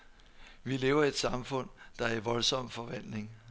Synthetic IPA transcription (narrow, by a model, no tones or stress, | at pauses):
ʋile̝ːʊɐie̝d̥sɑ̈mfɔ̽n̰d̥ɑ̈æɐʋɒ̽lsɒ̽m̰fɒ̽ʋæn̰le̝ŋ